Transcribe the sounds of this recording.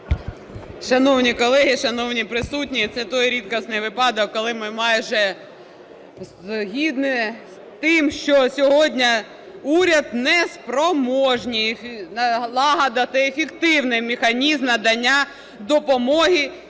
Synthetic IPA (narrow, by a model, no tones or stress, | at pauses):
ʃɐnɔwnʲikɔlˠɛɦiʃɐnɔwnʲipɾɪsutʲnʲit̪sɛt̪ɔjɾʲit̪kɐsnɪjʋɪpɑd̪ɔkːɔlˠɪmɪmɑjʒɛ | zɦʲid̪nɪs | t̪ɪmʃt͡ʃɔsʲɔɦɔdʲnʲɐ | uɾʲɐd̪nɛspɾɔmɔʒnʲij̪ | lˠɑɦɐd̪ɐt̪ɐefʲɪkt̪ɪwnɪjmʲɪxɐnʲizmnɐd̪ɐnʲːa | d̪ɔpɔmɔɦʲi